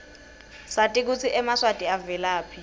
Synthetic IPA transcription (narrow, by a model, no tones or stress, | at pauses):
satʼik̬ut͡sʰiʔɛmaswatʼiavɛlaːpʰi